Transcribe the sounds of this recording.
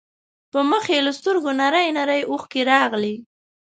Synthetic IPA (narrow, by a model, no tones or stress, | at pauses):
pəməxeləst̪əɾɡonaɾəjnaɾəjuxkeɾɑɣli